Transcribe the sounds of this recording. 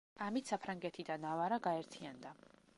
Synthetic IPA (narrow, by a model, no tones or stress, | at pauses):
amit̪ʰsapʰɾaŋɡɛt̪ʰid̪anavaɾaɡaɛɾt̪ʰiand̪a